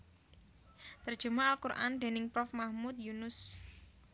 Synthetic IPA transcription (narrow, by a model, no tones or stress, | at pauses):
t̪ərd̥ʒ̥ṳmaalkurʔa̰nd̪̥e̤nɪŋpɾɔfmahmut̪̚junʊs